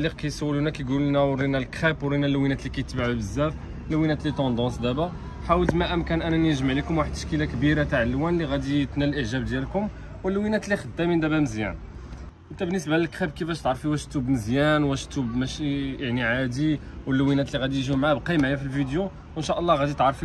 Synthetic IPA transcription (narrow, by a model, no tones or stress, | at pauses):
liqkæjsuwːəlunækæjɡulnæwrˤinælkxæbwrˤinælːwinæt̪likæjət̪ːbaʕbəzːæf | lːæwinæt̪lit̪ɑ̃nd̪ɑ̃sd̪æbæ | ħawəlt̪mæʔəmkænʔænænjəʒməʕlikʊmwaħəd̪̚t̪ə̥ʃkilakbiɾat̪aʕəlːwænliɣæd̪it̪nælʔəʕʒæbd̪jælkʊm | wəlːwinæt̪lixəd̪ːæmind̪æbæməzjæ̰n | wənt̪æbənːəsbæləlkxæb̚kəfæʃt̪ʕɾˤfiwæʃt̪ubməzjænwæʃt̪ubmæʃijaʕniʕad̪iwəlːwinæt̪liɣæd̪ijʒumʕabqimʕjæfilfid̪ju | wʔənʃæʔəlˤːɑɣæd̪it̪ʕɾˤfi